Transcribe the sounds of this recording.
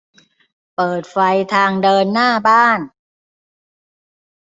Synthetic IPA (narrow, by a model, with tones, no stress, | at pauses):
pɤː˨˩t̪̚fa˧jt̪ʰaː˧ŋdɤː˧nːaː˥˩baː˥˩n